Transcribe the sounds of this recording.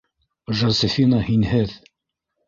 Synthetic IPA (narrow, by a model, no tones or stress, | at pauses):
ʒɑsɘ̆fʲinɑhinhɘð